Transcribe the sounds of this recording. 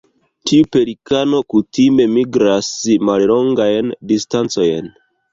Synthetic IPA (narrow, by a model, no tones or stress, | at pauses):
tʰiupe̞ɾikano̞kutime̞miɡɾasmallo̞ŋɡajndistant͡so̞jn